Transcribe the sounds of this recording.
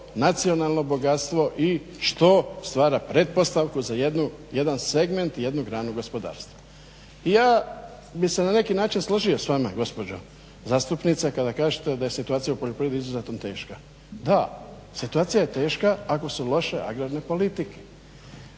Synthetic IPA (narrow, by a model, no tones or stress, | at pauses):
nat̪sio̞nalˠno̞bo̞ɡat̪st̪ʋo̞ʔi | ʃt̪o̞st̪ʋaːɾapɾed̪̚po̞st̪aʋkuzajed̪nuje̞d̪anse̞ɡme̞nt̪je̞d̪nuɡɾaːnuɡo̞spo̞d̪a̰ːɾst̪ʋo̥ | ijaː | bixse̞nane̞kinaːt͡ʃinsloʒio̞sʋama̰ɡo̞spo̞d͡ʑo̰ | zaːst̪upnit̪sakad̪akaːʒet̪ed̪aje̞sit̪uaːt̪sijaupoʎopɾiːjed̪iizuzet̪ont̪e̞ːʃka | d̪a | sit̪uaːt̪sijajet̪e̞ːʃkaːko̞sulo̞ʃe̞ʔa̰ɡɾaɾne̞po̞lit̪ike̥